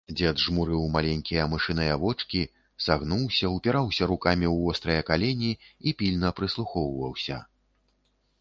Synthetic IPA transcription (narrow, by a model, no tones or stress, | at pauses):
d͡zʲɛd̪ʐmuɾɨwmalʲɛnʲkʲijɐmɨʂɨnɐjɐvɔt͡ʂkʲi | saɣnuwsʲɐwpʲɛɾawsʲɐɾukamʲiwvɔst̪ɾɐjɐkalʲɛnʲiːpʲilʲnɐpɾɨslˠuxɔwvɐwsʲɐ̰